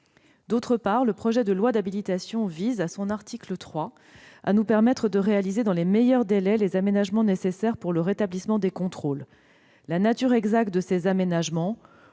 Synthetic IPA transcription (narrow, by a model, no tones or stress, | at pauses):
d̪ot̪χəpaʁləpχɔʒɛd̪əlwad̪abilit̪asjɔ̃vizasɔ̃naʁt̪iklət̪χwa | a̰nupɛʁmɛt̪χəd̪əʁealized̪ɑ̃lemejœʁd̪elɛlezamenaʒmɑ̃nesesɛʁpuʁləʁet̪ablismɑ̃d̪ekɔ̃t̪χolː | anat̪yʁɛɡzak̚t̪̚d̪əsezamenaʒmɑ̃